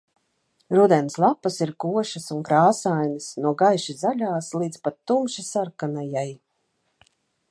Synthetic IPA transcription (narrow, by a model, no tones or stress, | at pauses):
ɾud̪ɛnslˠapːasiɾkuɔʃasuŋkɾaːsajnisnuɔɡajʃizaʎʲaːslˠiːd̪spat̪ːumʃisaɾkanajaj